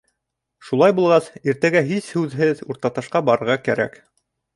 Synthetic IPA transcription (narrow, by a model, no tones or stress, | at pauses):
ʃulˠɑjbulˠʁɑsiɾt̪æɡæɦishʉðɦɘðuɾt̪ɑt̪ɑ̆ʃqɑbɑɾɤ̆ɾʁɑkæɾæ̰k